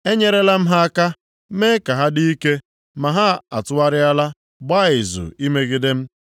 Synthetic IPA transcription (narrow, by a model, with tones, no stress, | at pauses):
e˦ɲe˦ɾe˦la˦m̩˦ɦa˦ka˦ | me˦ka˨ɦa˦di˦i˦ke˦ | ma˨ɦa˦a̰˨tʊ˦wa˦ɾɪ˦a˦la˦ | ɡ͡ba˦˨ɪ˨zʊ̰˨i˦me˦ɡɪ˦de˦m̩˦